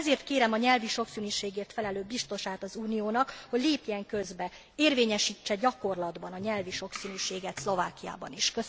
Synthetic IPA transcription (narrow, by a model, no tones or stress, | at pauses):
zeːrt̪keːɾɛmɒɲɛlviʃo̞ksyːnyːʃeːɡeːrt̪fɛlɛløːbist̪o̞ʃaːt̪ɒzuːnijoːnɒkho̞ɟleːpjɛŋkø̞zbɛ | eːrveːɲɛʃiːt͡ʃːɛɟɒko̞rlɒd̪bɒnɒɲɛlviʃo̞ksyːnyːʃeːɡɛt̪slo̞vaːkija̰ːbɒ̰niʃkø